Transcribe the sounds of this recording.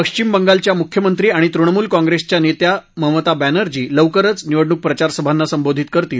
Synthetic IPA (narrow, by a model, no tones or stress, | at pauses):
pəkʂt͡ɕimbəŋɡalt͡ɕjamukʰjəmənt̪ɾiːaɽ̃it̪ɾuɳəmuːlkɔ̃ŋɡɾest͡ɕjanet̪jaməɦmət̪abænəɾd͡ʑiːləʋkəɾət͡sniʋəɽɳuk̚pɾət͡ɕaɾsəbʱanːasəmbod̪ʱit̪kəɾt̪iːl